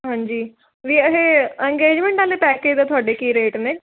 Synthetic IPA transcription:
ɦãːɲd͡ʒiː | ʋiːəɦeɛ̃ŋɡeːd͡ʒmẽɳʈaːlepɛːked̪at̪ʰʊaːɖekiːɾeːʈneː

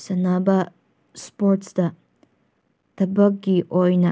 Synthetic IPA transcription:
sɐnaba | spoɾt̪sd̪ɐ | t̪ɐbɐɡiʔojnɐ

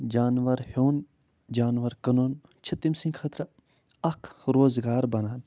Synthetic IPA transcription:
d͡ʒaːnʋɐɾhoːn | d͡ʒaːnʋɐɾkɐnoːn | t͡ʃʰɐt̪ːimsĩŋɡxʰɐt̪ɾɐ | ɐkʰɾoːzɡaːɾbɐnaːn

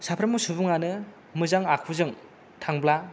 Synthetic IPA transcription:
sapʰɾɯmusubuŋanɯ | mɯzaŋakʰuzɯŋ | tʰaŋbla

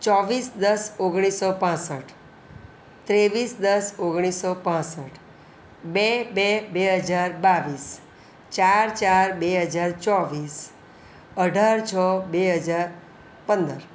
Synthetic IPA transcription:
t͡ʃɔʋisd̪əsoɡɽ̃isɔpãsəʈʰ | t̪ɾeʋisd̪əsoɡɽ̃isːopãsəʈʰ | bebebeɦəd͡ʒaɾbaʋis | t͡ʃaɾt͡ʃaɾbeɦəd͡ʒaɾt͡ʃɔʋis | əɖʱaɾt͡ʃʰɔbeɦəd͡ʒaɾ | pənd̪əɾ

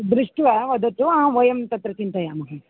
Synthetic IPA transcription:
d̪ɾiʂʈʋɐʋɐd̪ɐʈ̪uãʋɐjɐmt̪ɐt̪ɾɐt͡ʃint̪ɐjaːmɐɦɐ

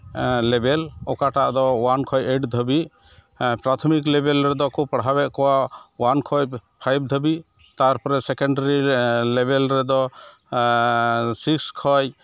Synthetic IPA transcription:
lɛbɛlɔkaʈaʔd̪ɔwankʰɔjeʈd̪ʱəbiʔ | pɾat̪ʰɔmiklɛbɛlɾɛd̪ɔkɔpaɽɦabɛʔkɔwawankʰɔjpʰajb̚d̪ʱəbiʔ | t̪aɾpɔɾɛsɛkɔɳɖaɾilɛbɛlɾɛd̪ɔ | sikskʰɔj

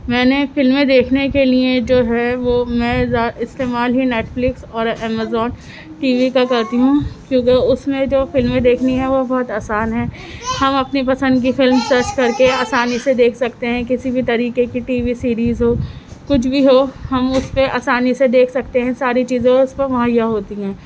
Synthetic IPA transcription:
mɛ̃ːnefɪlmẽd̪eːkʰnekelied͡ʒoːɦɛʋomɛ̃ːzaːɪst̪eːmaːlɦineːʈflɪksɔːɾɛːmazɔːn | ʈiːʋikakɛɾt̪iɦũkjõːkeʊsmẽd͡ʒoːfɪlmẽd̪eːkʰniɦɛ̃ʋobɔːt̪aːsaːnɦɛː | hɐmɐpnipɐsə̃nd̪k̬ifɪlmsɐɾt͡ʃkɐɾkeaːsaːnised̪eːkʰsɐkt̪eɦɛ̃kɪsibʱit̪ɐɾiːkekiʈiːʋisiːɾiːzɦoːkʊt͡ʃʰbʱiɦoːhɐmʊspeʔaːsaːnised̪eːkʰsɐkt̪eɦɛ̃saːɾit͡ʃiːzẽʊspɐɾmɐɦãjaɦoːt̪iɦɛ̃ː

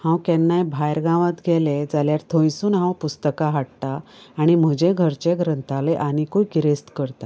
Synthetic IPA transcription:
hãwkɛnːajbʱajɾɡãʋãt̪ɡʱɛled͡zaljaɾt̪ʰõjsuːnɦãwpust̪əkaɦaɽt̪aːɽ̃im̤əd͡ʑẽɡʱəɾt͡ɕeɡɾənt̪aleʔañikojɡiɾest̪kəɾt̪a

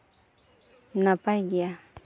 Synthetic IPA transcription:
napaɡia

